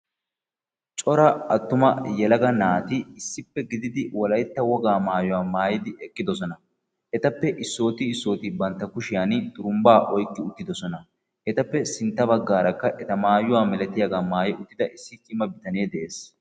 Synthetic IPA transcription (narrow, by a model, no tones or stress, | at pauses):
t͡ʃʼɔɾɐɐt̪ːʊmɐjɛlɐɡɐnaːt̪ɪɪsːɪpːɛɡɪd̪ɪd̪ɪwɔlɐjt̪ːɐwɔɡaːmaːjʊwaːmaːjɪd̪ɪʔɛkʼːɪd̪ɔs̬ɔnɐ | ʔɛt̪ɐpːɛʔɪsːo̞ːt̪ɪːsːo̞ːt̪ɪbɐnt̪ːɐkʊʃɪjant̪ʼʊɾʊmbaːʔɔjkːɪʊt̪ːɪd̪ɔsɔnɐ | ʔɛt̪ɐpːɛsɪnt̪ːɐbɐɡːaːɾɐkːɐʔɛt̪ɐmaːjʊwaːmɛlɛt̪ːɪjaɡamaːjɛʔʊt̪ːɪd̪ɐʔɪsːɪkʼɪmːɐbɪt̪ɐneːd̪ɛʔeːs